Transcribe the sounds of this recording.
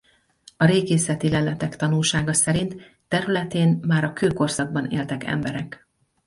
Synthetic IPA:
ɒɾeːɡeːsɛt̪ilɛlɛt̪ɛkt̪ɒnulʃaːɡɒsɛɾint̪ː | ɛɾylɛt̪eːnmaːɾɒkøːlko̞rsɒɡ̚bɒnḛːlt̪ɛkɛ̰mbɛɾɛk

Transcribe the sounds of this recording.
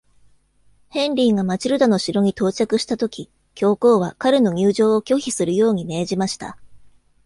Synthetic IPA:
hẽ̞nɾʲiŋɡamat͡ɕiɾɯ̟d̪ano̞ɕiɾo̞ɲ̟it̪o̞ːt͡ɕakɯ̟ɕi̥t̪at̪o̞kʲi | kʲo̞ːko̞ːβ̞akaɾɯ̟no̞ɲ̟ʲɨːʑo̞ːokʲo̞çisɨɾɯ̟jo̞ːɲ̟ime̞ːʑimaɕi̥t̪a̰

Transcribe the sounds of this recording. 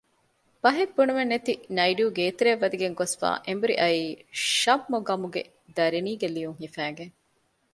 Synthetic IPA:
bɐɦebːunuʋenːet̪inɐiɖuːɡeːt̪eɾeʋːɐd̪iɡeŋɡosfa̰ːʔembuɾḭʔɐiːʃɐmːoɡɐmuɡḛ | d̪ɐɾiniːɡelijuŋɦifæːɡeŋ

